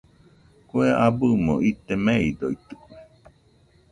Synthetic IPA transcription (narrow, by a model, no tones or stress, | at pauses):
kueʔabɨmo̰ʔit̪emeid̪oit̪ɨ̥k